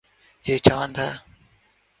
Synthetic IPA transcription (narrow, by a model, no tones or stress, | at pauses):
eːt͡ʃaːənd̪aː